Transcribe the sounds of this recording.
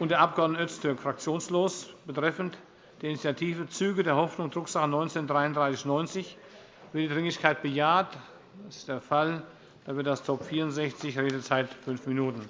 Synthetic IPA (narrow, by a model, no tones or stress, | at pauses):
ʔʊntd̥eːɐʔapɡ̥əɔɐdənəœt͡stʰʏɐkfʁ̥ak̚t͡sjoːnsloːsb̥ətʁ̥ɛfnt | d̥eːɐɪnit͡sjatʰiːvət͡syːɡədeːɐhɔfnʊŋdʁʊkz̥aχənɔʏnt͡seːndʁaɪʊndʁaɪsɪçnɔʏnt͡sɪç | v̥ɪɐtd̥iːdʁɪŋɪçkʰaɪt̚b̥əjaːɐt | dasɪ̥std̥eːɐfal | d̥aːvɪɐt̚d̥astʰɔpfiːɐʁʊntz̥ɛçt͡sɪçʁeːdət͡saɪtfʏnfminuːtn̩